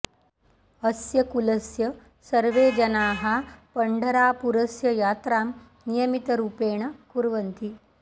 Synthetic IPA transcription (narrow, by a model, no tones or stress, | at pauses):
ɐsjɐkulɐsjɐ | sɐɾʋeːd͡ʒɐnaːɦapɐɳɖʱɐɾaːpuɾɐsjɐjaːt̪ɾaːm | nijɐmit̪ɐɾuːpeːɳ̃ɐkuɾʋɐnt̪i